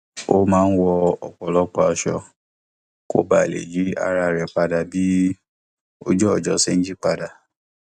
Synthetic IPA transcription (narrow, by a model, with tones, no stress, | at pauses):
o˦mãː˦˧n̩˦wɔ˧ɔ̰˨k͡pɔ˨lɔ˦k͡pɔ˧˦a˧ʃɔ̰˧ | ko̰˦ba˦˨lḛ˨d͡ʒi˨˦a̰˧ɾa˧ɾɛ˨k͡pa˧da˧bi˦ | o̰˦d͡ʒɔ˦˨d͡ʒɔ˨˦se˦˧n̩˦d͡ʒi˦k͡pa˧da˧